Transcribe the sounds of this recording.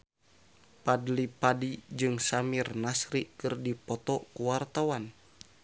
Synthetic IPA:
padlipadid͡ʒɨŋsamirnasɾikɨrdipɔt̪ɔkuwart̪awan

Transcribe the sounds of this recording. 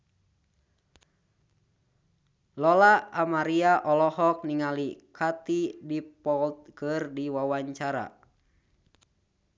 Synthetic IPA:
lɔlaamaɾiaʔɔlɔhɔk̚niŋalikʰat̪idipɔlt̪̚kɨrdiwawaɲt͡ʃaɾa̰

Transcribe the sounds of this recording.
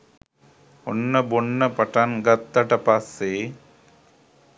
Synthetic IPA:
ɔnːɐbonːɐpɐʈːanɡɐt̪ːɐʈɐpaːseː

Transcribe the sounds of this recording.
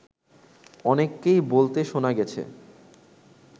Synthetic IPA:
ɔnekːejbolt̪eʃonaɡɛt͡ɕʰḛ

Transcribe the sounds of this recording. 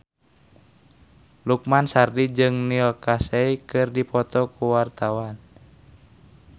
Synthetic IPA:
luk̚mansardid͡ʒɨŋnilkasɛikɨrdipɔt̪ɔkuwart̪awan

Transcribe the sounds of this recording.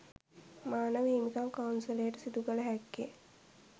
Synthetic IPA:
maːnəʋiːmikamkɐwnsɐlejəʈəsid̪uɡələɦækːe

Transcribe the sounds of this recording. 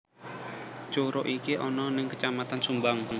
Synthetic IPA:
t͡ʃoɾɔʔikiʔɔnɔnɪŋkət͡ʃamat̪ansumbaŋ

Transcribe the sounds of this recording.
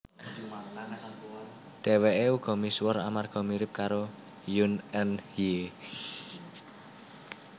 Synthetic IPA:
ɖ̪̥ɛ̤weʔeuɡ̥ɔ̤miswɔɾa̰marɡ̥ɔ̤miɾɪp̚kaɾo | junɛnje

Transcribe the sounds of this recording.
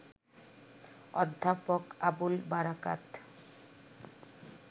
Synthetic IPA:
ɔ̰d̪ʱːapokabulbaɾaka̰t̪

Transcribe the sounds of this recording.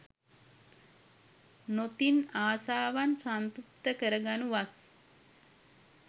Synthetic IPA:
not̪inaːsaːʋansant̪up̚t̪əkəɾəɡanuʋas

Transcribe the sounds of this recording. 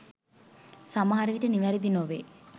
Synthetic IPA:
samaɦaɾəʋiʈəniʋæɾid̪inoʋe

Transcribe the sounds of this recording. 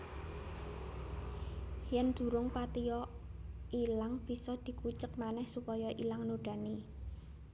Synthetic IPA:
hjɛnd̪̥ṳɾʊŋpat̪ijɔ | ilaŋb̥i̤sɔd̪̥i̤kut͡ʃək̚manɛhsupɔjɔʔilaŋnoɖ̥a̤ni

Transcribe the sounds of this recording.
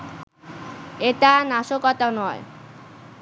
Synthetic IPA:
eʈanaʃokɔt̪anɔe

